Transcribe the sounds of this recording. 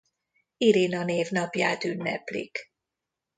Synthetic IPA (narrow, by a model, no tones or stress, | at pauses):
iɾinɒneːvnɒpjaːt̪ynːɛplḭk